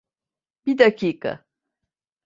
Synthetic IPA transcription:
bid̪akiːka̰

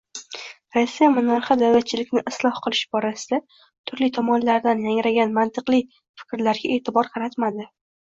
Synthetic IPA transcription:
ɾasːijamʊnaɾχɑd̪awlat̪̚t͡ʃʰɪlɪkʲnɪʔɪslˠɒhqɨlˠɪʃbɒɾasɪ̥d̪a | t̪ʰʊɾlit̪ʰɒmɒnlaɾd̪anjaŋɾaɡʲanmant̪ʰɨqlˠɪ | fɪ̥kʲɾlaɾɡʲaʔe̞t̪ʰɪbɒɾqʰɑɾat̪mad̪ɪ

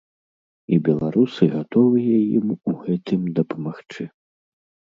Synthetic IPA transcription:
ibʲɛlˠaɾusɨɣat̪ɔvɨjɐjḭmuɣɛt̪ɨmd̪ɐpɐmaxt͡ʂɨ

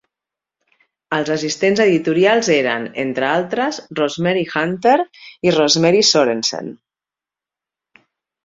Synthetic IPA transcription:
əlˠzəsist̪enzəðit̪uɾialˠzeɾə̰nḛnt̪ɾəalˠt̪ɾəzrozmɛɾixant̪eɾirɔzmɛɾisoɾensḛn

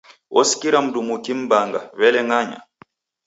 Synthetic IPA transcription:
ʔɔsi̥kiɾam̩dumukim̩baŋɡa̰βɛlɛŋaɲa̰

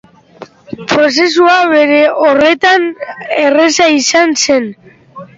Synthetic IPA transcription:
pɾo̞s̬e̞suaβe̞ɾe̞o̞re̞t̪ane̞re̞saisanse̞n

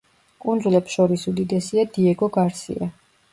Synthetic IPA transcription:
kʼund̪zulɛpsʃɔɾisud̪id̪ɛsiad̪iɛɡɔɡaɾsḭa

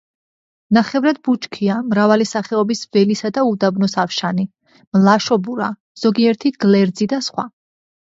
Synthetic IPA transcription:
naχɛvɾad̪̚but͡ʃkʰiamɾavalisaχɛɔbisvɛlisad̪aud̪abnɔsafʃani | mlaʃɔbuɾa̰ | z̥ɔɡiɛɾt̪ʰiɡ̥lɛɾd̪zid̪asχwa̰

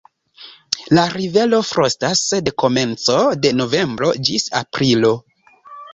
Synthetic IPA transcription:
laɾive̞lo̞fɾʔostasedko̞me̞nt͡so̞de̞no̞ve̞mbɾo̞̰d͡ʒisa̰pɾilo̞

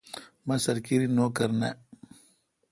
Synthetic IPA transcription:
mɐ̃sɐɾkiɾinoːkɐɾnḛ

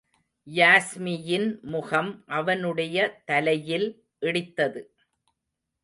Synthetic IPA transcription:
jaːsmɪjɪnmʊɣɐmʔɐʋɐnɯɽɐjɐt̪ɐlɐjɪl | ʔɪɽɪt̪ːɐðɯ

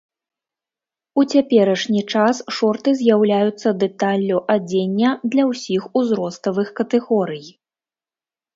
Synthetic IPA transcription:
ut͡sʲapʲɛɾɐʂnʲit͡ʂasʂɔrt̪ɨzʲjawlʲajut̪sːɐd̪ɛt̪alʲːuʔad͡zʲenʲːɐd̪lʲɐwsʲixuzɾɔst̪ɐvɨxkɐt̪ɛɣɔɾɨj

